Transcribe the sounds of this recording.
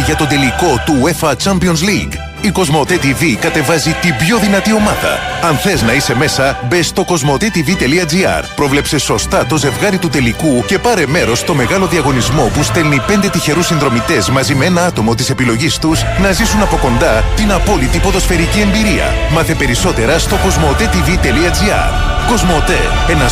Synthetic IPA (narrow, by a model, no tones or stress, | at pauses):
ʝɐt̪o̞d̪e̞liko̞t̪uefɐt͡ʃɐmpio̞nzliɡ | iko̞zmo̞t̪et̪ivikɐt̪e̞vɐzit̪ibʝo̞ðinɐt̪io̞mɐðɐ̰ɐnθe̞znɐise̞me̞sɐbest̪o̞ko̞zmo̞t̪et̪ivit̪e̞liɐd͡ziɐ̰ɾpɾo̞vle̞pse̞so̞st̪ɐt̪o̞ze̞vɣɐɾit̪ut̪e̞likuce̞pɐɾe̞me̞ɾo̞st̪o̞me̞ɣɐlo̞ðiɐɣo̞nizmo̞pust̪e̞lnipe̞nd̪e̞t̪içe̞ɾusinðɾo̞mit̪e̞zmɐzimeenɐɐt̪o̞mo̞t̪ise̞pilo̞ʝist̪uznɐzisunɐpo̞ko̞nd̪ɐt̪inɐpo̞lit̪ipo̞ðo̞sfe̞ɾicie̞mbiɾiɐ̰ | mɐθe̞pe̞ɾiso̞t̪e̞ɾɐst̪o̞ko̞zmo̞t̪e̞t̪ivit̪e̞liɐd͡ziɐ̰ɾ | ko̞zmo̞t̪e̞̰ | e̞nɐ